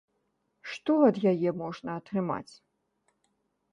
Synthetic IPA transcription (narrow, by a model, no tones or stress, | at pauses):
ʂt̪ɔɐd̪jajɛmɔʐnɐɐt̪ɾɨma̰t͡sʲ